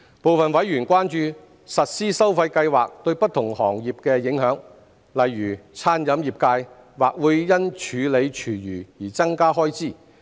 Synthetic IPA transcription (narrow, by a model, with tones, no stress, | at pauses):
po˨wfɐ˨nwɐ˨˥jyː˨˩nkʷaː˥nt͡ʃyː˧ | sɐ˨t̚siː˥sɐ˥wfɐ˧jkɐ˧jwaː˨˩k̚t̪ɵ˧ɥpɐ˥t̪ʰʊ˨˩ŋhɔː˨˩ŋjiː˨p̚kɛː˧jɪ˨˥ŋɦœː˨˥ŋ | lɐ˨jːyː˨˩t͡sʰaː˥njɐ˨˧˥mjiː˨˩p̚kaː˧j | waː˨˩k̚wuː˨˧jːɐ˥nt͡ʃʰyː˨˧le˨˧jt͡ʃʰyː˨˩jyː˨˩jiː˨˩t͡sɐ˥ŋkaː˥ɦɔː˥jt͡siː˥˩